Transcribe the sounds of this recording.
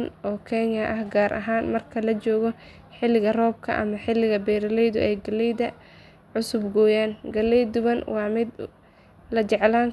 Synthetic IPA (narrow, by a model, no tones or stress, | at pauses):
nʔɔːkʰɛnjɐʔɐhɡaːɾʔɐ̰ɦaːnmɐrkʰɐlɐt͡ʃɔːɣɔ | ħɪlɪɣɐrɔːb̚kʰɐ̰ʔɐ̰mɐħɪlɪɣɐbɛːɾɐlɛjðʊ̰ʔɛjɡɐlɛjðɐ | ʕʊsʊbɡɔːjaːnɡɐlɛjd̪ʊβɐnwɑːʕmɪd̪ | lɐt͡ʃɛʕlaːŋ